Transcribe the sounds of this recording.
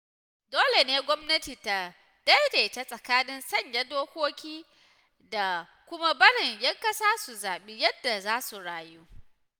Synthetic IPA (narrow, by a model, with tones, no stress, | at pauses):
doː˦le˨neː˦ɡʷɔ˦mnɐ˦tiː˨ta˨ | dɐ˦jda˨ɪ˨˦ta˦sʼɐ˨kaː˦nɪ˦nsɐ˦˨ɲja˦doː˦kʷoː˦kʲiː˦ | da˨ | kʷʊ˦ma˦bɐ˦ɽɪ˨ɲjɐ˦ŋkɐ˦saː˦su˨zaː˨ɓiː˦jɐ˦dːa˨zaː˦su˨ɽaː˨juː˦